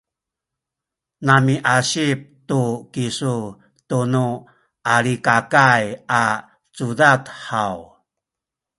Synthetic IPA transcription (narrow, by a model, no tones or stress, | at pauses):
namiʔaɕip̚tukisu | tunu | ʔaɾikakaja | t͡sudatħaw